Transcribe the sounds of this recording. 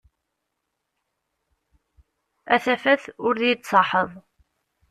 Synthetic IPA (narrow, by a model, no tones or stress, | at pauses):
æθæfæθʊɾðjət͡sˤːɑħəðˤ